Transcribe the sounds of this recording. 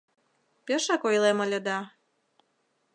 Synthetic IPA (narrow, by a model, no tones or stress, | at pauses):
pʲeʃɑkojlemə̆lʲə̆d̪ɑ